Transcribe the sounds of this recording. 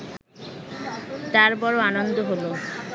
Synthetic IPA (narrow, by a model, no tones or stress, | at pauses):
t̪aɾpɔɾoanond̪oɦolo